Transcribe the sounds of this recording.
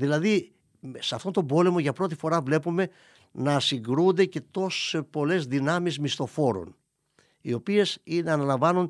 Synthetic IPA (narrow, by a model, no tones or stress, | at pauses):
ðilɐði | msɐft̪ont̪o̞bo̞le̞mo̞ʝɐpɾo̞t̪̬ifo̞ɾɐvle̞pume̞ | nɐsiŋɡɾund̪e̞ce̞t̪o̞so̥sepo̞le̞zðinɐmizmist̪o̞fo̞ɾo̞̰n | io̞pie̞sineɐnɐlɐɱvɐnun